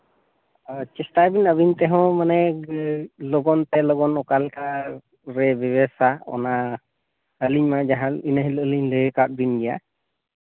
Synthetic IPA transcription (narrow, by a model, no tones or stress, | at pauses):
t͡ʃɛstabinəbint̪ɛɦɔ̃manɛ | lɔɡɔnt̪ɛlɔɡɔnɔkalka | ɾɛbɛbɛsaɔ̰na | əliɲmad͡ʒaɦãinəɦiləliɲləjkat̚binɡija̰